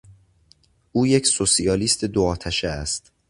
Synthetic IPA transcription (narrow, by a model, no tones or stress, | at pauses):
ʔuːje̞cʰsosiɒːliːst̪ʰed̪oɒːt̪ʰæʃeæst̪